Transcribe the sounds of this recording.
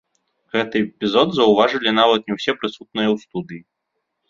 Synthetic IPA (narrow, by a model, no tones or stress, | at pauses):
ɣɛt̪ɨpʲizɔd̪zɐwvaʐɨlʲinavɐt̪nʲɛwsʲɛpɾɨsut̪̚nɨjɐwst̪ud̪ɨji